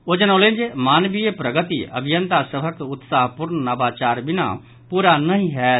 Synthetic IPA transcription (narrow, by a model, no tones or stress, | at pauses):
od͡ʒənoled͡ʒemaːnbijepɾəɡət̪iʔə̰bʱijənt̪asəbʱəkʊt̪saːɦpuɾnnɐbaːt͡ʃaːɾbɪna̰ | puːɾanəɦĩɦɛː